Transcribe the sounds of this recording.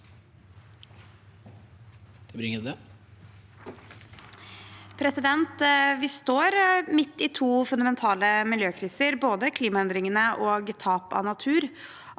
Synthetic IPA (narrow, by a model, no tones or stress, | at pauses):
ɛbɾɪŋəd̪ɛ | pʰɾɛsɪd̪ɛnt̪ʋɪst̪oːɾmɪt̪ːɪt̪ʰuːfʉnd̪ɑmɛnt̪ʰɑːləmɪljøːkʰɾiːsəɾboːd̪əkʰliːmɑɛnd̪ɾɪŋənəʔoːɡt̪ʰɑːpɑ̰nɑt̪ʰʉːɾ